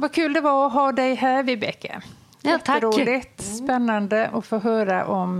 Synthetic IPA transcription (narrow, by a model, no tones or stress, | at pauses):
vakʰʉːld̪ɛvaɔɦɑːd̪ɛjɦæːɾvɪbɛkːə̰ | jt̪ːəɾuːlɪt̪spɛnːand̪əʔɔfoːɦœːɾa̰ʔɔm